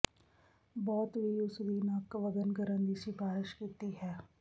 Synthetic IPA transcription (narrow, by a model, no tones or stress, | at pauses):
bɔːt̪bʱiʊsdinaːkːʋɐd̪ənkɐɾənd̪iʃipaːɾɪʃkiːt̪iɦɛː